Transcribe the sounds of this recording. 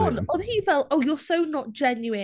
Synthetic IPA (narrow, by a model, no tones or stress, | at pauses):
nɔðhivɛlˠoʊjɔsoʊnət̚d̥ʒ̥ɛnjuɪ̃